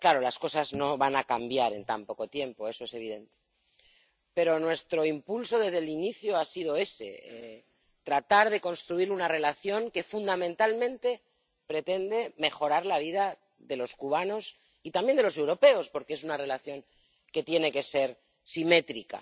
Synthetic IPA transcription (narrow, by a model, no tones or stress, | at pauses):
klaɾo̞lasko̞sazno̞βanakambjaɾe̞̰nt̪ampo̞ko̞t̪je̞mpo̞e̞so̞e̞se̞β̞iðe̞nt̪e | pe̞ɾo̞nwe̞st̪ɾo̞impulso̞ðe̞zðe̞liniθjoasið̞o̞e̞se̞̰e | t̪ɾat̪aɾðe̞ko̞nst̪ɾuiɾunare̞laθjo̞ŋke̞fund̪amẽnt̪almẽnt̪e̞ | pɾe̞t̪e̞nd̪e̞me̞xo̞ɾaɾlaβ̞ið̞a | ðe̞lo̞skuβ̞ano̞s | it̪ambjend̪elo̞se̞wɾo̞pe̞o̞spo̞ɾke̞esunare̞laθjo̞ŋ | ke̞t̪je̞ne̞ke̞se̞ɾ | sime̞t̪ɾika̰